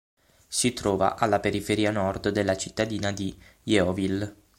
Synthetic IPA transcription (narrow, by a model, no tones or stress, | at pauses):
sit̪ɾɔːva̰ʔalːapeɾifeɾiːanɔrd̪d̪elːat͡ʃit̪ːad̪iːnad̪ijɛɔvil